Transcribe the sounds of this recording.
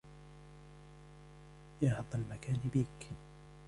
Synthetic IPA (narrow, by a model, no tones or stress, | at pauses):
jaħɑt̪ˤːalmakaːnbiːk